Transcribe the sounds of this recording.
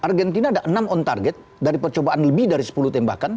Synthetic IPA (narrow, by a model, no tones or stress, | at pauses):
ʔarɡɛnt̪inadaʔənamɔnt̪a̰rɡɛt̪̚ | daɾipərt͡ʃobaʔanləbɪhdaɾisə̥pulut̪ɛmba̰kan